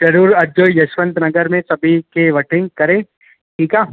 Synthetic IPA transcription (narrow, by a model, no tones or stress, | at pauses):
d͡ʒɐɾuːɾɐd͡ʒoːjjɐʃʋə̃nt̪nɐɡəɾmẽsɐbʱikeʋɐʈʰɪ̃ŋɡ̚kɐɾẽː | ʈʰiːkaː